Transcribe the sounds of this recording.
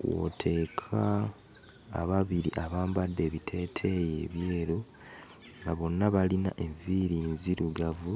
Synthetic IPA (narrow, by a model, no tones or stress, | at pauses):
wo̞̰tʰe̞ːkʰaː | βaβiɾḭʔaβaːmbadːe̞ːβitʰe̞ːtʰe̞jḛːβje̞ːɾo | ŋɡaβo̞nːaβalinaʔe̞ɱviɾinziɾuɡavu